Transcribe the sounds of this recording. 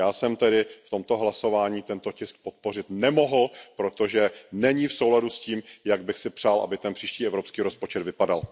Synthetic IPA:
jaːsɛmt̪ɛdɪft̪o̞mt̪o̞ɦlaso̞vaːɲiːt̪ɛnt̪ocɪsk̚pot̪̚po̞r̝ɪt̪nɛmo̞ɦl̩pɾo̞t̪o̞ʒɛnɛɲifsowladusciːmjaɡ̚bɪxsɪpr̝̥aːlʔa̰bɪt̪ɛnpr̝̥iːʃciːɛvɾo̞pskiːɾospo̞t͡ʃɛd̪vɪpadal

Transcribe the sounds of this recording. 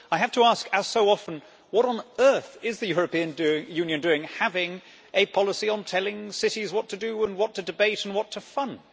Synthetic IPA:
aɪɨftʰəæskɨz̥soʊɑfə̃n̩ | wʌɾn̩ɜ˞θɪzðɨjʊɹɨpĩɨ̃ndʉɪ̃jʉ̃njɨ̃ndʉɪ̃ŋhævɪ̃ŋ | ʔɨpʰɑlˠəsiə̃ntʰɛlˠɪ̃ŋsɪɾizwʌtʰɨdɨə̃nwʌtʰɨdɨbeɪɾ̃n̩wʌtʰəfʌ̃nd̥

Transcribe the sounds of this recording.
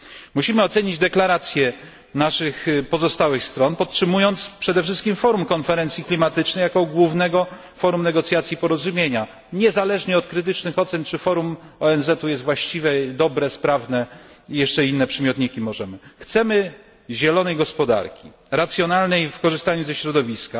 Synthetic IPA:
muɕimɘɔt̪sɛɲid͡ʑd̪ɛklaɾat̪sʲjɛ | naʂɘxpɔzɔst̪awɘxst̪ɾɔnpɔtʂɘmujɔnt̪spʂɛd̪ɛfʂɘst̪kʲimfɔɾumkɔnfɛɾɛnt̪sʲjiklʲimat̪ɘt͡ʂnɛjakɔɡwuvnɛɡɔ | fɔɾumnɛɡɔt̪sʲjat̪sʲjipɔɾɔzumʲjeɲa | ɲɛzalɛʐɲɛɔt̪̚kɾɘt̪ɘt͡ʂnɘxɔt̪sɛnt͡ʂɘfɔɾumɔɛnzɛt̪ujɛst̪vwaɕt͡ɕivʲɛd̪ɔbɾɛspɾavnɛijɛʂt͡ʂɛinːɛpʂɛmʲjɔt̪ɲikʲimɔʐɛmɘxt̪sɛmɘ | ʑɛlɔnɛjɡɔspɔd̪a̰ɾkʲḭ | ɾat̪sʲjɔnalnɛjfkɔʐɘst̪aɲuzɛɕɾɔd̪ɔvʲiska

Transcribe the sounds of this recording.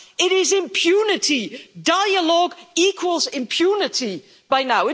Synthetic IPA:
ɪɾɪzɪ̃mpʰj̥ʉnɪtʰidaɪəlɔɡiˑkʰwəlˠzɪ̃mpʰj̥unɪtʰi | b̥aɪnaʊɪ

